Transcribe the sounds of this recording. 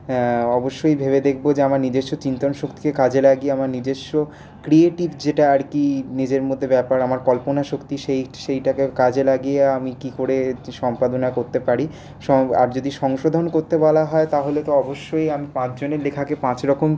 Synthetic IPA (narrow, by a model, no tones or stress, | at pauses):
ɔboʃːojbʱeβed̪ekʰbod͡ʑeamaɾnid͡ʑeʃːot͡ɕint̪onʃokt̪i̥kekad͡ʑelaɡieamaɾnid͡ʑeʃo | kɾieʈibd͡ʑeʈaaɾkinid͡ʑeɾmod̪ʱːebɛpaɾamaɾkɔlponaʃokt̪iʃejʃejʈakekad͡ʑelaɡijeamikikoɾeʃɔmpad̪onakoɾt̪epaɾi | ʃɔa̰ɾd͡ʑod̪iʃɔŋʃod̪ʱonkoɾt̪ebɔlaɦɔet̪aɦolet̪oɔboʃːojamipãt͡ɕd͡ʑoneɾlekʰakepãt͡ɕɾɔkom